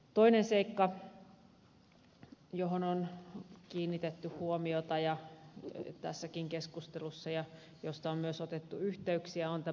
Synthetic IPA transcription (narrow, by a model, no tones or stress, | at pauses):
t̪oinenseikːɑ | joɦononkiːnːit̪et̪ːyhuomiot̪ɑjɑ | t̪æ̰sːækiŋkeskust̪elusːɑjɑ | jost̪ɑommyøsot̪et̪ːuyht̪eyksiæont̪æ